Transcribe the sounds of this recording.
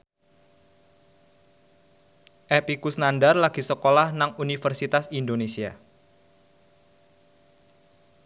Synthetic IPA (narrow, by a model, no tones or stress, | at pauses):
ʔɛpikusnandarlaɡ̥isəkolahnaŋunifərsit̪asindonesia̰